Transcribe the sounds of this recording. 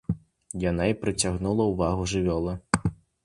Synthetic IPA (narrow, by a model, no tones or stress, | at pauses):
janaipɾɨt͡sʲaɣnulˠɐuvaɣuʐɨvʲɔlˠɐ